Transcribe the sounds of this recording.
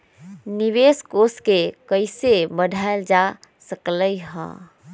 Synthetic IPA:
niʋeskoskekəɪsebədʱaeld͡ʒasəkləjɦə̰̃

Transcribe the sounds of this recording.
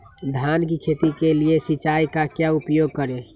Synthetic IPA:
d̪ʱankikʰet̪ikeliesit͡ʃaikakjaupjoɡ̚kəɾe

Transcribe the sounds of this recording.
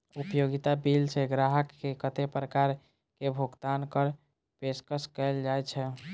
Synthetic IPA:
upjoɡit̪abilseɡɾaɦəkːekət̪epɾəkaɾ | kebʱoɡt̪ankəɾ | peskəskɛld͡ʒaɛt͡ʃʰɛ

